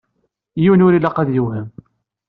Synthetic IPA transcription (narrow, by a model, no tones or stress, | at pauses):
jiwnʊɾilæqæðjuwhəm